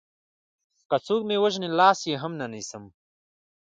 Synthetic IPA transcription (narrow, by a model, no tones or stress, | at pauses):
kat͡suːkmewəʒnilɑːsjeɦɐmnanisəm